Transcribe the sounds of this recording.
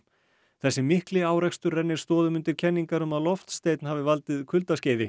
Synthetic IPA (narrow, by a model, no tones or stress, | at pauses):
θɛsːɪmɪhklɪaːwɾɛkst̪ʏɾːɛnːɪɾ̥st̪ɔːðʏmʏnt̪ɪɾ̥cʰɛnːiŋkaɾʏmaðlɔft̪st̪eːjt̪nhaːvɪvalt̪ɪðkʰʏlt̪asceːjðɪ